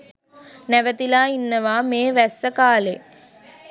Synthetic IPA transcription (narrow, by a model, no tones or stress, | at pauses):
nɛʋɐt̪ɪlaːɪnːɐʋaːmeːʋɐsːɐkaːleː